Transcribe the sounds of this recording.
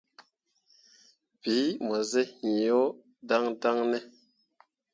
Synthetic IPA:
bi˨˦m˨a˨zɛ˦hi˨jo˦ | da˦ŋda˦ŋnɛ˦

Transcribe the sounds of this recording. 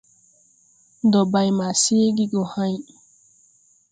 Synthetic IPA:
dɔ˨ba˨jma˨seː˦ɡi˦ɡɔ˨hã˦j

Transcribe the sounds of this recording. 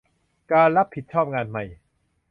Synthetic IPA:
kaː˧nɾa˦˥pʰːi˨˩t̪̚t͡ɕʰɔː˥˩p̚ŋaː˧nma˧˩j

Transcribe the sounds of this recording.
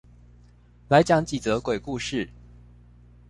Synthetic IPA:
la˧˥ɪt͡ɕjɑ˧˥ŋt͡ɕi˨˩t͡sɤ˧˥kwe˨˩ɪku˥˧ʂɻ̩˥˩

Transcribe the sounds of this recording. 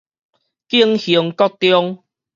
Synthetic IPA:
ki˦˧əŋhi˨˩ŋkɔ˥˦t̪jɔ˦ŋ

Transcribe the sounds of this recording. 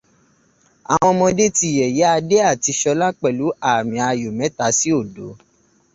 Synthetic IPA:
a̰˨w̃ɔ̃˧mɔ̃˧de˦ti˧jɛ˨je˨˦a˧de˦a˦˨ti˧ʃɔ˧la˦k͡pɛ˨lu˨˦a˦˨mĩ˨a˧jo˨mɛ̃˨˦ta˧˦si˦o˦˨do˨˦

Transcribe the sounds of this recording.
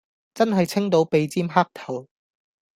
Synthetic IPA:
t͡sɐ˥nɦɐ˨jt͡sʰɪ˥ŋt̪̬o˨˥wpe˨˧jt͡siː˥mɦaː˥k̚t̪ʰɐ˨˩w

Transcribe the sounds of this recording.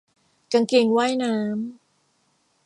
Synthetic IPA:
ka˧ŋki˧˩ŋwaː˥˩jnaː˦˥m

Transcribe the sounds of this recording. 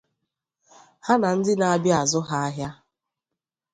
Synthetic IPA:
ha˦na˨n̩˦dɪ˦na˨a˦bja˨zʊ˦ɦa˦a˦ɦja˦

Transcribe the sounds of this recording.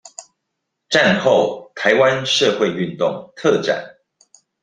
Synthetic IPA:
ʈ͡ʂa˥˨nxo˥˨ʊt̪ʰa˨˦ɪwa˦nʂɤ˥˧xwe˥˨ɪy˥˨nt̪ʊ˥˨ŋt̪ʰɤ˥˨ʈ͡ʂa̰˨˩˦n

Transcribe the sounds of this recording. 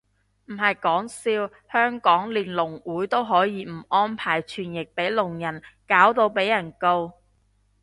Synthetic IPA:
m̩˨˩ɦɐ˨jkɔː˨˥ŋsiː˧w | hœː˥ŋkɔː˨˥ŋliː˨˩nlʊ˨˩ŋwuː˨˥jt̪o˥wɦɔː˨˥jiː˧m̩˨˩ɔː˥npʰaː˨˩jt͡ʃʰyː˨˩njɪ˨k̚pe˨˥jlʊ˨˩ŋjɐ˨˩nkaː˨˥wt̪o˧wpe˨˥jɐ˨˩nko˧w

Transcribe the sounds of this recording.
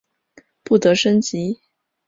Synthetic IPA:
pu˥˩t̪ɤ˧˥ʂə˥nt͡ɕi˧˥

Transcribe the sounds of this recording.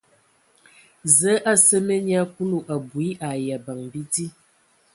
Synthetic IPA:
zə˨˦ʔa˦˨sə˦mə˦ɲja˦ku˦lu˨ʔa˨bu˨i˦ʔa˨ja˨ba˨ŋbi˦di˦

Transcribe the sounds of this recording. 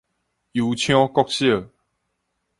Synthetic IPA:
ju˨˦t͡ɕʰjɔ̃˦kɔ˥˦k̚ɕjə˥˨

